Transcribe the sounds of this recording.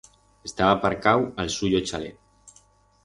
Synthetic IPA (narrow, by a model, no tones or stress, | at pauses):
est̪aβapaɾkawalsuʎot͡ʃalet̪